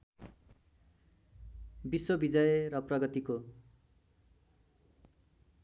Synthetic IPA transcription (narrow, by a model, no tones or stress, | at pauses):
biswʌbid͡zʌjerʌprʌɡʌt̪iko